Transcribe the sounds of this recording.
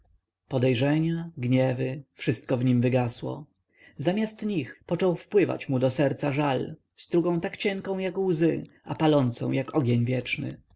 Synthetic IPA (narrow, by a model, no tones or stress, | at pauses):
pɔd̪ɛjʐɛɲaɡɲɛvɘfʂɘst̪̚kɔvɲimvɘɡaswɔ̰ | zamʲjast̪ɲixpɔt͡ʂɔwfpwɘva̰t͡ɕmud̪ɔsɛɾt̪saʐal | st̪ɾuɡɔ̃w̃t̪akt͡ɕɛŋkɔ̃w̃jakwzɘ | apalɔnt̪sɔ̰̃w̃jakɔɡʲeɲvʲjɛt͡ʂnɘ̰